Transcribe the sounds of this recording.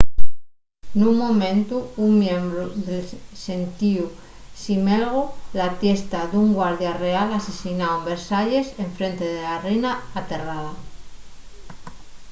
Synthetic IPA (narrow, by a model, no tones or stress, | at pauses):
nuŋmomẽnt̪uːŋmjẽmbɾoðelse̞nt̪iu | simelɣ̞olat̪je̞st̪aðuŋɡwaɾðjarealasesinaumbeɾsaʎe̞seɱfɾe̞nt̪eðelarejnaːt̪e̞raða